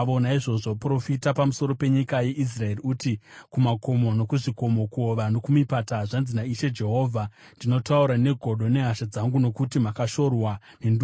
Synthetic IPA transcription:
onaiʐo̞ʐo̞pro̞fitapamuso̞ɾo̞pe̞ɲikaje̞ʔis̬rae̞riutikumako̞mo̞no̞kuʐiko̞mo̞kuoʋano̞kumipataʐanzinaiʃe̞d͡ʒe̞ɦo̞ːvʱa | ndino̞tauɾane̞ɡʱo̞ɗo̞ne̞ɦaʃad͡zaŋɡuno̞kutimakaʃo̞rwa | nend

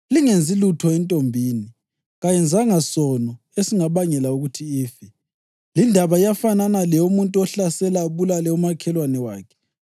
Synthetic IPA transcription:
liŋend͡zʱilutʰɔɛntʼombʱiːni | ɣajɛnd͡zʱaŋasɔnɔ | esiŋaβaŋɛlauɣutʰiiːfɛ | lindʱaβaijafananalɛumuntʼuɔɬasɛlaβulalɛumakʰɛlwanɛwa̰ːkʰɛ̥

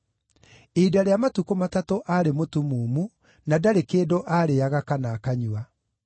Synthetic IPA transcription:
edaɾeamatukomatatoʔaɾemotumuːmu | nadaɾekeːdoʔaːɾeaɣakanakaɲua

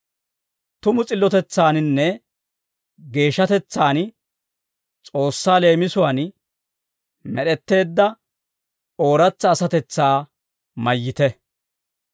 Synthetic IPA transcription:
t̪ʊmʊt͡sʼɪlːɔt̪ɛt͡sːaːnnːɛ | ɡe̞ːʃːɐt̪ɛt͡sːaːn | t͡sʼo̞ːsːaːle̞ːmɪsʊwaːn | mɛɗɛt̪ːe̞ːd̪ːɐ | o̞ːɾɐt͡sːɐːsɐt̪ɛt͡sːaː | mɐjːɪt̪ɛ

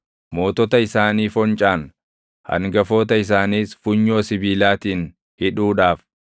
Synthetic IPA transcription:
mo̞ːt̪ɔt̪ɐɪsaːniːfɔnt͡ʃʼaːn | hɐ̰ŋɡɐfo̞ːt̪ɐɪs̬aːniːsfʊɲːoːsɪbiːlaːt̪iːn | hɪᶑuːᶑaːf

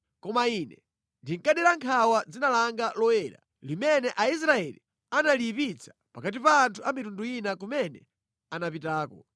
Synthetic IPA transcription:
kɔmainɛ | ndiŋkaɗɛɾaŋkʰawad͡zinalaŋɡalɔwɛɾa̰ | limɛnɛʔais̬ɾaɛlḭ | analipit͡sʰḁpakatipaːntʰuamitunduinak̬umɛnɛ̰ | anapitaːkɔ̰

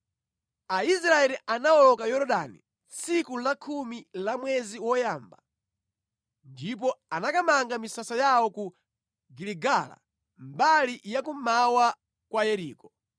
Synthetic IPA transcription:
aisɾaɛliʔanaɔlɔkajɔɾɔɗanḭ | sikulakʰumilamwɛziwɔjaːmba | ndip̬ɔanakamaŋɡamisasajawɔku | ɡiliɡala̰ | mbalijakumawa | kwajɛɾiːkɔ

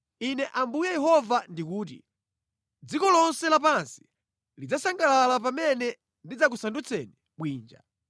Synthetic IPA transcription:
inɛʔambujɛjɛɦɔvandikuːt̬ḭ | d͡zikɔlɔnsɛlap̬ansi̥ | lid͡zasaŋɡalalap̬amɛnɛ | ndid͡zak̬usandut͡sʰɛni | ɓwiːnd͡ʒa̰

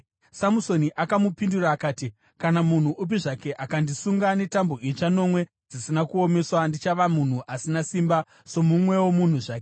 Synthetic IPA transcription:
samuso̞niʔakamupinduraːkaːti | kanamun̤uʔup̬iʐake̞ʔakandisuŋɡane̞tamboʔit͡ʃano̞mwe̞ | d͡zisinakuo̞me̞swandit͡ʃaʋamun̤uʔasinasimba | so̞mumwe̞womun̤uʐaːke

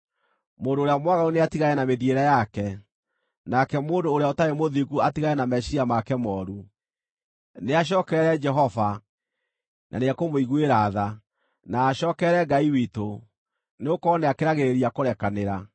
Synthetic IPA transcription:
moːndoːɾejamwaɣauneatiɣajɛnameðieɾɛjakɛ | nakɛmoːndoːɾeaotaɾemoðiɣuatiɣaɛnamɛɕiamakɛmɔːɾu | neaɕ̬ɔːkɛɾɛd͡ʒɛɦɔva | nʔa̰neakomoiɣueɾaða | naːɕɔːkɛɾɛɡaiwito | neokɔːnɛakeɾaɣeɾeɾiakoɾɛkaneɾa

